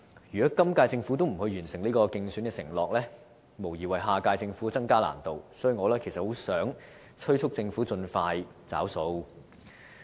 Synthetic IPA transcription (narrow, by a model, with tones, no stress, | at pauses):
jyː˨˩kɔː˨˥kɐ˥mkaː˧jt͡sɪ˧ŋfu˨˥t̪o˥wm̩˨˩hɵ˧jyː˨˩nsɪ˨˩ŋliː˥kɔː˧kɪ˧ŋsy˨˥nkɛː˧sɪ˨˩ŋlɔː˨k̚lɛː˥ | mo˨˩wjiː˨˩wɐ˨jɦaː˨˧kaː˧jt͡sɪ˧ŋfuː˨˥˧t͡sɐ˥ŋkaː˥la̰ː˨˩nt̪o˨wsɔː˨˥jyː˨˧ŋɔː˨˧lɛː˥kʰe˨˩jsɐ˨t̚ho˨˥wsœː˨˥ŋ | t͡ʃʰɵ˥ɥt͡ʃʰʊ˥k̚t͡sɪ˧ŋfuː˨˥t͡sɵ˧nfaː˧jt͡sa̰ː˨˥wso˧w